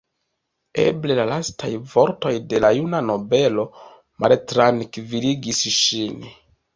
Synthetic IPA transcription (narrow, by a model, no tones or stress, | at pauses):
ḛble̞lalastʰajvo̞ɾto̞jde̞lajunano̞be̞lo̞ | maltɾankviɾiɡisʃin